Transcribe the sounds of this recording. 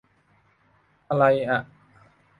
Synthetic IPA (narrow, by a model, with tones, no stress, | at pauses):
ʔa˧la˧jʔa˩ʔ